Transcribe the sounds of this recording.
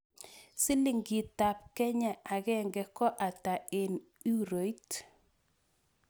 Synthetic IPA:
si˦li˨ŋɡi˨ta˨p̚kɛ˦ɲa˦˨ʔa˨ɣɛ˦ŋɡɛ˨kɔ˦ʔa˨ta˨e˨n | u˦ɾo˨˦i˦t

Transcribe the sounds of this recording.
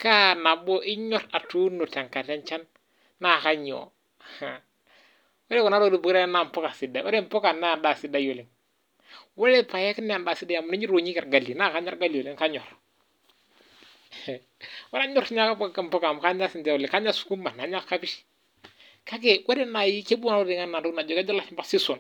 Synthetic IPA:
ka˦na˨bɔ˦ʔɪ˦ɲɔ˦ɾa˨tu˦nu˨ta˨ŋka˨tɛ˦nt͡ʃa˦nː | a˦˨ka˦ɲɔ̰˨ | a˨ | we˦lɛ˦kɔ˨na˦ɾo˦du˨bu˨kɾɛ˦na˦˨m˨pɔ˦ka˨si˨da˨wa˦ɾe˦m˦pɔ˦ka˨nːa˦a˨da˨si˨˦da˦jo˨lɪ˨ŋ | wɛ˦lɛ˦pa˨jɛ˦knɛ˦a˨nda˨si˦da˦ja˨mu˨ni˦ɲi˦ɾo˨ɲi˦kɛ˨ɾɡa˨li˨na˦˨ka˦ɲɔ˦ɾɡa˦li˨o˨li˦ŋka˦ɲɔ̰˨ɾ | wa˦ɾa˦ɲɔ˦ɾɲa˦ka˦pka˨m˨pɔ˦ka˨m˨ka˦ɲa˦sɪ˨ndɛ˦wɔ˨lɪ˨ŋka˦ɲa˦su̥˨ku˦ma˨na˨˦ɲa˦kka˦bi˦ʃ | ka˦k̬e˨wɛ˦ɾɛ˦na˨ji˦ke˦bu˦na˦o˦di˨ŋa˦nːa˨du˦kna˨d͡ʒɔ˨ka˦d͡ʒɔ˦la˦˨t͡ʃmba˦si˦su˨n

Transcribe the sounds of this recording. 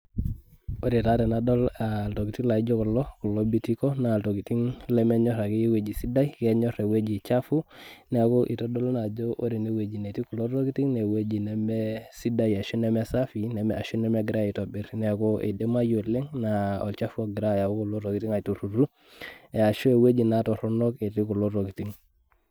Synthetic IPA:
o˦ɾi˨taɾe˨nado˦lalto˨ki˨ti˦la˨id͡ʒo˦kulːoku˨lːo˦bi˦ti˦ko˦na˨lto˨ki˨ti˦ŋle˦me˦ɲo˦ɾa˨ki˦jwe˦ɟi˨si˦da˦ike˦ɲo˦ɾe˨we˦ɟi˨t͡ʃa˦fu˦ne˨ako˦ʔi˨to˦do˦lna˨d͡ʒo˦ʔo˦ɾi˨ne˨we˨d͡ʒi˨ne˨ti˦ku˨lo˦ɾo˦ki˦tiŋne˨we˦d͡ʒi˨ne˦mesi˦da˦ja˨ʃu˦ne˦me˦sa˦fine˨me˨a˨ʃu˦ne˦me˦ɡi˨ɾa˦i˨to˨bi˨˦ɾne˨ko˦ʔḭ˨de˦ma˦jo˨le˦ŋna˨o̰˨lt͡ʃa˦fu˦oɡi˨ɾa˦ja˨wo˦ku˨lo˦ɾo˨ki˨ti˦ŋa˨tu˨ɾu˨ɾu˦ | e˨a˨ʃu˦e˨we˦d͡ʒi˨na˦to˨ɾo˦no˦ke˨ti˦ku˨lo˦ɾo˨ki˨ti˦ŋ

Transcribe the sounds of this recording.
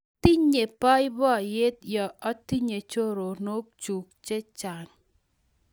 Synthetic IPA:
ti˦ɲe˨pɔ˦jbɔ˦˨je˦t̪̚jɔ˨ɔ˦ti˦ɲe˨t͡ʃo˦ɾo˨no˦k̚t͡ʃu˨k̚t͡ʃe˦t͡ʃa˨n

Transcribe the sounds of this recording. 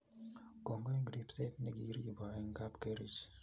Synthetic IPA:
kɔ˨ŋɡɔ˦ɛ˦ɡɾi˦psɛ˦t̚nɛ˦ɡi˦ɾi˦bɔ˨ɛ˦ŋka˦pkɛ˦ɾi˦t͡ʃ

